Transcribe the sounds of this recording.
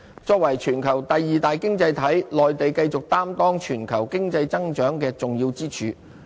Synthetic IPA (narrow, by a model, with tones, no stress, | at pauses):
t͡ʃɔː˧k̚wɐ˨˩jt͡ʃʰyː˨˩nkʰɐ˨˩wt̪ɐ˨jːiː˨t̪aː˨jkɪ˥ŋt͡sɐ˧jt̪ʰɐ˨˥jlɔː˨jt̪e˨jkɐ˧jt͡sʊ˨k̚t̪aː˥mt̪ɔː˥ŋt͡ʃʰyː˨˩nkʰɐ˨˩wkɪ˥ŋt͡sɐ˧jt͡sɐ˥ŋt͡ʃœː˨˥ŋkɛː˧t͡sʊ˨ŋjiː˧wt͡siː˥t͡ʃʰyː˨˧